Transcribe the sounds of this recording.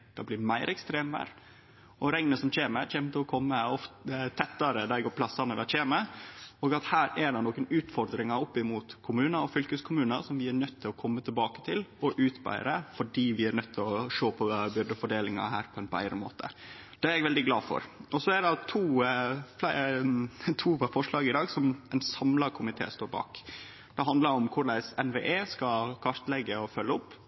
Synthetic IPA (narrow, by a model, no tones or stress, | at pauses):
d̪̥ɑblɪɾmæɪɾɛkst̪ɾeːmʋæ̰ːɾ | ɔɾɛŋnəsɔmc͡çeːməɾc͡çɛːmət̪ɪlɔkʰɔmːəɔft̪ət̪ʰɛt̪ːɑɾəd̪ɑɡopʰlɑsɑnəd̪ɑt͡ʃeːməoːɡɑt̪hæːɾɛɖɛnɔːkənʉːt̪fɔɾd̪ɾɪŋɑɾɔpːɪmuːt̪kʰʊmʉːnəɾɔfʏlkəskʰʊmʉːnəɾsɔmʋɪænœt̪ʰːɪlɔkʰɔmːət̪ʰɪlbɑːkə̥t̪ʰɪlɔʔʉːt̪bæ̰ɪɾəfɔɖiːʋɪæɾnœt̪ʰːɪlɔʂoːpʰɔbʏɾd̪əfɔɖeːlɪŋɑ̰ɦæːɾpʰɔɛnbæ̰ɪɾəmo̰ːt̪ʰə̰ | d̪̥ɛæɾɛɡʋɛld̪ɪɡlɑːfɔ̰ɾʔɔsɔæɖɑt̪ʰuːflæɪ | t̪ʰuːfɔʂɭɑːɡɪd̪ɑːɡsɔmɛɪnsɑmlɑkʰʊmɪt̪ʰḛːst̪oːɾbɑ̰ːk | d̪ɛɦɑnd̪ləɾɔmkʰʊɾɖ̪æɪsɛnʋḛːʔeːskɑkʰɑɾt̪lɛɡːəɔfœlːəʊpː